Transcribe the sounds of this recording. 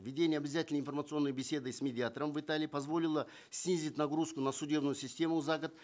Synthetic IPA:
vʲɪdʲenʲɪjəɐbʲɪzatʲɪlʲnəɪnfərmət̪sɨo̞nːəjbʲɪsʲe̞d̪ɨsmʲɪdʲɪat̪əɾəmvɨt̪alʲɪːpɐzvo̞lʲɪlˠə | sʲnʲizʲit̚ʲnɐɡɾuskʊnɐsʊdʲe̞bnʊjʊsʲɪsʲtʲe̞mʊzaɡət̪

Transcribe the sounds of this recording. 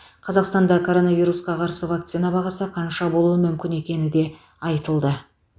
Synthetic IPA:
qʰɑzɑqst̪ɑnd̪ɑkʰo̞ɾo̞navʲijɾusqɑqʰɑɾsəvak̚t̪sinɑbɑʁɑsəqʰɑnʃɑbo̞lˠuəmʏmkʲɪne̞kʲe̞nɪd̪e̞ | ɑjt̪əlˠd̪ə

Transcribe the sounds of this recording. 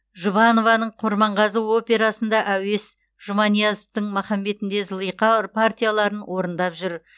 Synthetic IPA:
ʒəβɑno̞vɑnəɴqʰʊɾmɑɴʁɑzəo̞pʲe̞ɾɑsənd̪ɑʔæwe̞s | ʒ̥əmɑnijɑzəft̪əɴmɑχɑme̞t̪ɪnd̪e̞zəlˠijqɑɾpʰart̪ʲijalˠɑɾənwʔo̞ɾənd̪ɑpʒʏɾ

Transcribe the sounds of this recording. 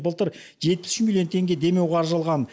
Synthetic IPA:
bəlˠt̪əɾ | ʒe̞t̪̚pɪ̥sʃɪmilʲijo̞nt̪ʰe̞ŋɡʲe̞d̪e̞me̞wʁeɑɾʒɑlˠʁɑn

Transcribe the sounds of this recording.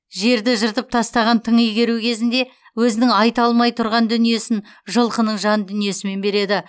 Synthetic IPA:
ʒe̞ɾd̪ɪʒəɾt̪əp̚t̪ʰɑst̪ɑʁɑnt̪ʰəɴijɡʲe̞ɾukʲʰe̞zɪnd̪e̞ | wɵzɪnɪŋɑjt̪ɑlˠmɑjt̪ʰʊɾʁɑnd̪ʏnije̞sɪnʒəlˠqənəɴʒɑnd̪ʏnije̞sɪme̞nbe̞ɾe̞d̪ɪ

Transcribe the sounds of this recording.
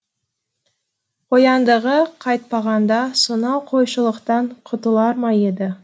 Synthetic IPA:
ojɑnd̪əʁəqʰɑjt̪̚pɑʁɑnd̪ɑsonɑqʰo̞jʃəlˠəqt̪ɑɴqʰʊt̪əlˠɑɾmɑjed̪ɪ

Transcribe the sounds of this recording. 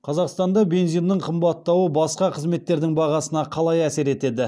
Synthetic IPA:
qʰɑzɑqst̪ɑnd̪ɑbe̞nzijnd̪əɴqʰəmbɑt̪ːɑwəbɑsqɑqʰəzme̞t̪ːe̞ɾd̪ɪŋbɑʁɑsənɑqʰɑlˠɑjæse̞ɾe̞t̪e̞d̪ɪ

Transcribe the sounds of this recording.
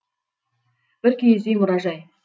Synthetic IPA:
b̥ɪɾkʲʰejezd̪ejmʊɾɑʒɑj

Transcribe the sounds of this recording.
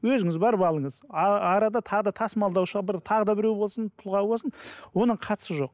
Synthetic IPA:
wɵzɪŋɪzbɑɾbɑlˠəɴəzɑɾɑd̪ɑt̪ʰɑʁəd̪ɑt̪ʰɑsmɑlˠd̪ɑwʃəʁbɪɾt̪ʰɑʁəd̪ɑbɪɾewbo̞lˠsənt̪ʰʊlˠʁɑwbo̞lˠsənwo̞nəɴqʰɑt̪ə̥səʒo̞q̚

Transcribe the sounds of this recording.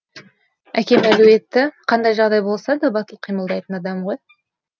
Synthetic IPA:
ækʲe̞mæluwe̞t̪ːɪqʰɑnd̪ɑjʒɑʁd̪ɑjbo̞lˠsɑd̪ɑbɑt̪əlˠqʰijməlˠd̪ɑjt̪ənɑd̪ɑmʁoj

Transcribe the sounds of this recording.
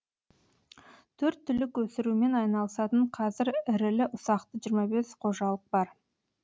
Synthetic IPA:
t̪ʰɵɾt̪ʰːʏlɪkwɵsɪɾume̞nɑjnɑlˠəsɑt̪əɴqʰɑzɪɾɪɾɪlɪʔʊsɑqt̪əʒijɾmɑbe̞sqʰo̞ʒɑlˠəq̚bɑɾ

